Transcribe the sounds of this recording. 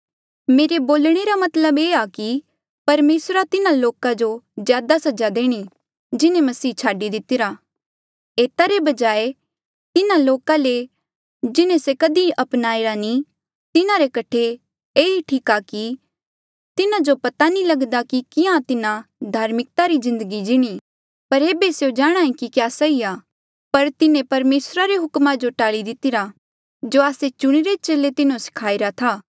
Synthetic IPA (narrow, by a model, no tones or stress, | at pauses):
meːɾeboːlɽ̃eɾamɐt̪ləbeːaki | pɐɾmeːsɾat̪ɪnãloːkãd͡ʒozjaːd̪asɐd͡ʒad̪eːɽ̃i | d͡ʒɪnẽmɐsiːt͡ʃʰaːɖid̪ɪt̪ɪɾaː | eːt̪aɾebɐd͡ʒaːe | t̪ɪnãloːkãle | d͡ʒɪnẽsekɐd̪iʔɐpnaːeːɾanĩ | t̪ɪnãɾekɐʈʰe | eːiʈʰiːkaki | t̪ɪnad͡ʒopɐt̪anĩlɐɡd̪akikɪjãt̪ɪnãd̪ʱaːɾmɪk̚t̪aɾizɪ̃nd̪əɡid͡ʒɪɽ̃i | pɐɾeːbeseõd͡ʒaːɽ̃aːĩkikjaːsɐiaː | pɐɾt̪ɪnẽpɐɾmeːsɾaɾeɦʊkmad͡ʒoʈaːɭid̪ɪt̪ɪɾa | d͡ʒoaːset͡ʃʊɽ̃iɾet͡ʃeːlet̪ɪnõsɪ̥kʰaːiɾat̪ʰaː